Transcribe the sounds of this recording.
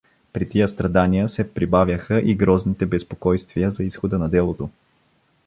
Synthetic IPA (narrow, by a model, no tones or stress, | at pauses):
pɾit̪ijəst̪ɾɐd̪anijəsɛpɾibavʲjəxəʔiɡɾɔznit̪ɛbɛspokɔjst̪vijəzɐisxod̪ənɐd̪ɛlˠot̪o